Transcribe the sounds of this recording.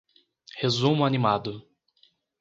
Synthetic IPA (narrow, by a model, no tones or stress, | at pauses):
hezũmʊanimad̪ʊ